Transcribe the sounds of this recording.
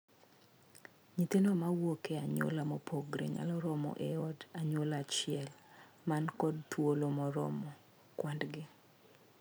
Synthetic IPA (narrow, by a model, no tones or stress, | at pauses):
ɲit̪enomawokeaɲo̰lamɔpʰoɡɾḛɲa̰lɔɾɔmɔ̰ʔeɔdaɲolat͡ʃɪɛl | mankɔd̚t̪wolomɔɾɔ̰mɔ | kwandɡɪ